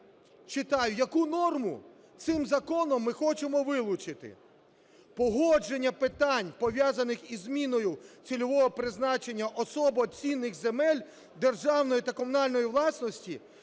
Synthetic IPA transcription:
t͡ʃɪt̪ɑjʊjɐkunɔrmʊ | t̪sɪmzɐkɔnɔmːɪxɔt͡ʃemɔʋɪlˠʊt͡ʃɪt̪ɪ̰ | pɔɦɔd͡ʒenʲːɐpɪt̪ɑnʲpɔʋʲjazɐnɪxizʲmʲinɔjʊt͡sʲilʲɔʋɔɦɔpɾɪznɑt͡ʃenʲːɐʔɔsɔbɔt͡sʲinːɪxzemɛlʲ | d̪erʒɑwnɔjit̪ɐkɔmʊnɑlʲnɔjiʋlˠɑsnɔsʲtʲi

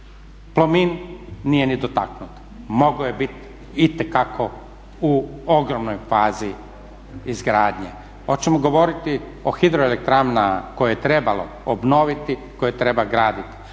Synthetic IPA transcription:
plˠominːije̞nid̪ot̪aknut̪ | moɡojebit̪ | it̪ekakʰo̞ | uo̞ɡɾomnojfaːzi | izɡɾaːd̪ɲḛ | o̞t͡ɕemoɡo̞ʋo̞ɾit̪i | oxid̪ɾoelek̚t̪ɾamnako̞jejet̪ɾebalo̰ | obno̞ʋit̪i | kojet̪ɾe̞baɡɾaːd̪it̪i̥

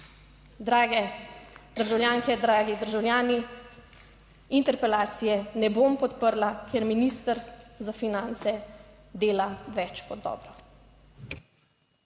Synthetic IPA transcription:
d̪ɾaːɡɛd̪əɾʒawljaːŋkɛd̪ɾaːɡid̪əɾʒawljaːni | int̪ɛɾpɛlaːt̪sijɛnɛbompɔt̪pəɾlakɛɾminist̪əɾzafinant̪sɛ | d̪eːlaʋɛt͡ʃkɔd̪̚ːɔ̰ːbɾɔ

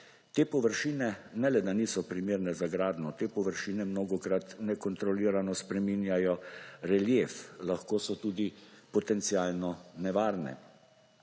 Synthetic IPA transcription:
t̪eːpɔʋəɾʃiːnɛnɛlɛd̪aniːsɔpɾimeːɾnɛzaɡɾaːd̪nɔt̪eːpɔʋəɾʃiːnɛmnoːɡɔkɾat̪nɛkɔnt̪ɾɔliːɾanɔspɾɛmiːnjajɔɾɛljeflaxkoːsɔt̪uːd̪ipɔt̪ɛnt̪siaːlnɔnɛʋaːɾnɛ̰

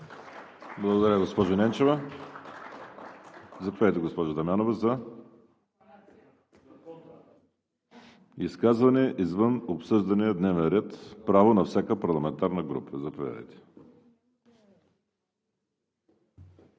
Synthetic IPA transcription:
blˠɐɡod̪ɐɾʲjəɡospɔʒonɛnt͡ʃɛvɐ | zɐpovʲad̪jt̪ɛɡospɔʒəd̪ɐmʲjanovɐzɐ | iskazvɐnɛʔizvənopsɤʒd̪ɐnɛd̪nɛvɛnɾɛt̪pɾavonɐfsʲakəpɐɾlˠɐmɛnt̪aɾnəɡɾṵpʰəzɐpovʲa̰d̪ə̰jt̪ɛ̥

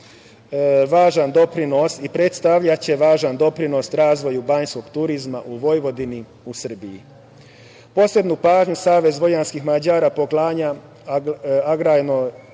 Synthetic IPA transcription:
ʋaːʒand̪o̞pɾino̞sipɾe̞t̪st̪aʋʎat͡ɕe̞ʋaːʒand̪o̞pɾino̞sɾaːzʋo̞jubaɲsko̞ɡ̥t̪uɾizmaʔuʋo̞jʋo̞d̪ini | usr̩biji | po̞sle̞d̪nupaːʒɲusaːʋe̞zʋo̞janskixmad͡ʑaːɾapo̞klˠaːɲa | aɡɾajno

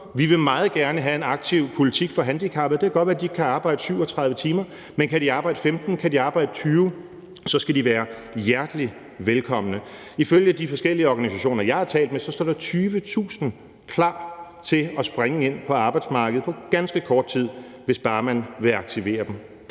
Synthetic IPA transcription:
ʋiʋe̝mɑ̈ːð̩ˠɡ̥æɐnəɦæe̝nɑ̈ɡ̥̚t͡sʰiʊ̰pʰo̝lit͡sʰiɡ̥fɒ̽ɦænd̥ikʰɑ̈b̥ð̩ˠd̥e̝kæɡ̥ɒd̥ʋæɐdikʰæɑ̈ːb̥ɑ̈ɪ̰d̥əsyʊɒt͡sʰʁɑ̈ð̞ˠʋət͡sʰiːmɐ | menkʰædiɑ̈ːb̥ɑ̈ɪd̥əfemd̥n̩kʰædiɑ̈ːb̥ɑ̈ɪ̰d̥ət͡sʰyːʊ | sɒ̽sɡ̥ædiʋæːɐ | jæɐd̥li | ʋelkʰɒ̽m̰ənə | iføljəd̥ifɒ̽sɡ̥el̰iəɒɡ̥ænisæɕo̝̰ːnɐjɑ̈ɪhɑ̈t͡sʰɛ̰ːld̥mesɒ̽sd̥ɒ̰ːd̥ɑ̈t͡sʰyːʋət͡sʰṵːsn̩ | kʰlɑ̰̈ːt͡sʰe̝lɒ̽sb̥ʁeŋəe̝n̰pʰɒ̽ɑ̈ːb̥ɑ̈ɪd̥smɑ̈ːɡ̥əð̩ˠpʰɒ̽ɡ̥ænsɡ̥əkʰɒːd̥̚t͡sʰið̞̰ˠ | ʋe̝sb̥ɑ̈ːmænʋe̝ɑ̈ɡ̥̚t͡sʰiʋe̝̰ːɐd̥em

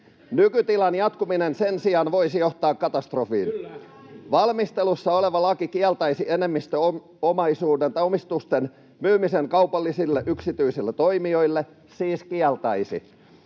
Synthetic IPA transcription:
nykyt̪ilɑnjɑt̪kuminensensiɑnʋoisijo̞ht̪ɑːkːɑt̪ɑst̪rofḭːn | ʋɑlmist̪elusːɑoleʋɑlɑkikiɛlt̪ɑisiene̞mːist̪øo | omɑisuːdent̪ɑomist̪ust̪en | myːmiseŋkɑwpɑlːisilːeʔyksit̪yisilːet̪oimio̞jlːe | siːskiɛlt̪ɑisḭ

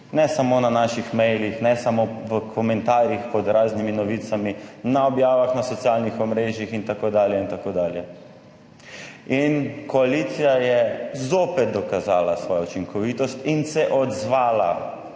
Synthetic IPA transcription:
nɛsamoːnanaʃixmɛjlixnɛsamoʋəkʰɔmɛnt̪aːɾjixpɔd̪ɾaːzniminɔʋiːt̪saminaɔbjaːʋaxnasɔt̪sjaːlnixɔmɾeːʒjixint̪akod̪aːljɛint̪akoːd̪aːljɛ | inkɔalit̪sijajɛzoːpɛt̪̚d̪ɔkazaːlasʋɔːjaut͡ʃiŋkʰɔʋit̪ɔst̪insɛʔɔd̪zʋaːla̰

